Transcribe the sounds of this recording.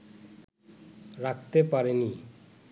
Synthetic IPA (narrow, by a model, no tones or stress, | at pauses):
ɾakʰt̪epaɾeni